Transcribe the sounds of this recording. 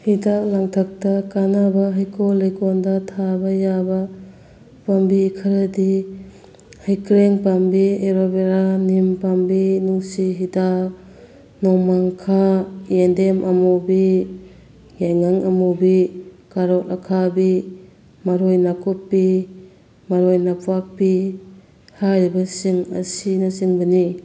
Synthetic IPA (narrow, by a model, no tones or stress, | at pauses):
hidalaŋtʰak̚tɐkanabɐɦajkolajkɔndɐtʰabɐjabɐ | pambikʰɐɾɐdi | hajkɾeŋpambieɾobeɾanimpambinuŋsiɦida | nɔmaŋkʰaendemʔamobi | jajŋaŋamobi | kaɾɔt̚akʰabi | maɾojnakopːi | maɾojnapʰak̚pi | haɾibasiŋɐ̰sinasiŋbɐni